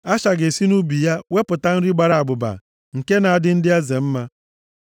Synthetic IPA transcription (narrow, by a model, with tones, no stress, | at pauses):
a˦ʃa˨ɡe˨si˦nu˦bi˨ja˦we˦pʊ˨ta˦n̩˦ɾi˦ɡ͡ba˨ɾa˨a˨ɡ͡bʊ˨ba̰˨ | ŋ̩˨ke˦na˨a˨dɪ˦n̩˦dɪ˦a˦ze˨m̩˦ma˦